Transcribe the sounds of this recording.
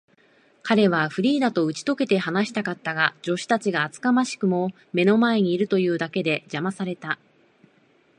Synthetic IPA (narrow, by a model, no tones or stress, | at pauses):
kʰaɾe̞β̞aɸɯ̟ɾʲiːd̪at̪o̞ɯ̟t͡ɕi̥t̪o̞ke̞t̪e̞hanaɕi̥t̪akat̪ːaɡad͡ʑo̞ɕi̥t̪at͡ɕiɡaːt͡sɨ̥kamaɕi̥kɯ̟mo̞ | me̞no̞mae̞ɲ̟iːɾɯ̟t̪o̞jɯ̟ːd̪ake̞d̪e̞d͡ʑamasaɾe̞t̪a